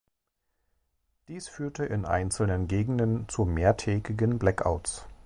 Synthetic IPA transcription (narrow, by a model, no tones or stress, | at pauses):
d̥iːsfyːɐtəʔɪnʔa̰ɪnt͡sl̩nənɡeːɡŋ̩dənt͡sumeːɐtʰɛːɡɪɡənblɛkʔa̰ʊts